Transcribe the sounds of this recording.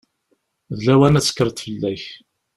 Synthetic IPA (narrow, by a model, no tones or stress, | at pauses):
ðlæwænæt͡sːə̥kːəɾˤt̪fəlːæç